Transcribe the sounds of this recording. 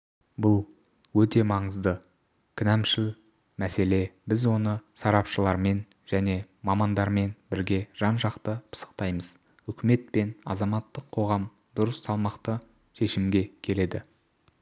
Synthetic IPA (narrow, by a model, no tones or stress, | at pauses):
bʊlˠ | wɵt̪e̞mɑɴəzd̪ə | kʲʰɪnæmʃɪl | mæse̞le̞bɪzwo̞nəsɑɾɑpʃəlˠɑɾme̞nʒ̥æne̞ | mɑmɑnd̪ɑɾme̞nbɪɾɡʲe̞ʒ̥ɑnʒɑqt̪əpʰə̥sə̥qt̪ɑjməz̥ | ʏkʲɪme̞t̪̚pe̞nɑ̰zɑmɑt̪ːəqʰːo̞ʁɑm | d̪̥ʊɾəsːɑlˠmɑqt̪ə | ʃe̞ʃɪmɡʲe̞kʲʰe̞le̞d̪ɪ